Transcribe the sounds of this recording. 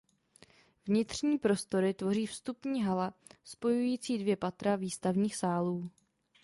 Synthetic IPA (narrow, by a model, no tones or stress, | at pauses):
vɲɪt̪r̝̥ɲiːpɾo̞st̪o̞ɾɪt̪vo̞riːfst̪upɲiːɦalaspo̞jujiːt͡siːdvjɛpat̪ɾaviːst̪avɲiːxsaːluː